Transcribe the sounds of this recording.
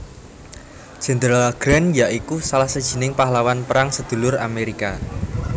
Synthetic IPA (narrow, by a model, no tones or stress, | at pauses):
ʒ̥ɛ̤nd̪ɾlɡ̥ɾanjaʔikusalahsəd̥ʒ̥i̤nɪŋpaɦlawanpəɾaŋsəd̪̥ṳlʊɾa̰meɾika